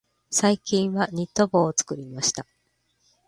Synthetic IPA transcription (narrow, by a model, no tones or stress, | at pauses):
saikʲĩɰ̃βaɲ̟it̪ːo̞boːt͡sɨ̥kɯ̟ɾʲimaɕi̥t̪a